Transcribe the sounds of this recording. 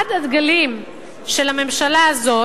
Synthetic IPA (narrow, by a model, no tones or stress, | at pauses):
adad̪ɡalim | ʃe̞lame̞mʃalaːzo